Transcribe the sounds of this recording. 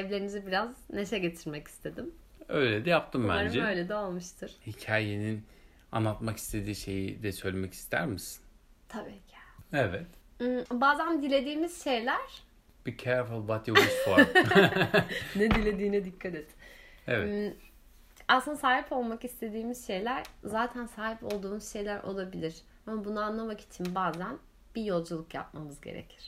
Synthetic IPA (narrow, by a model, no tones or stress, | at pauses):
ɛvlʲe̞ɾimizibiɾazneʃɛɟe̞t̪ʰiɾmɛci̥st̪ʰe̞d̪im | øjlʲed̪ɛjap̚t̪ʰɯmbæ̰aɾmd͡ʒɛø̞jlʲed̪ɛolˠmɯʃt̪ʰɯɾ̥hicʰaːjenin | a̰nːˠat̪maki̥st̪ʰe̞d̪iːʃe̞jid̪ɛsø̞jlʲemɛci̥st̪ʰæ̰ɾmisi̥n | t̪ʰabiːcʰi̥evɛt̪̩ː | baːzænd̪ilʲe̞d̪iːmiz̥ʃe̞jlʲæɾ̥ | b̥icʰɛɾflˠbat̪jowisfo | ned̪ilʲe̞d̪iːnɛd̪ikʰːat̪et̪i̥ | evɛ | aslɯnd̪asaːɦipʰo̞lˠmakist̪ʰe̞d̪iːmiz̥ʃe̞jlʲæɾzaːt̪ʰænsaːɦipʰo̞lˠd̪uːmuz̥ʃe̞jlʲæɾʔo̞lˠabilʲiɾ̥ | amabunaanlˠamacʰi̥t̪ʰimbaːzæn | b̥ijo̞lˠd͡ʒulˠukja̰p̚mamɯzɟe̞̰ɾḛcʰi̥ɾ̥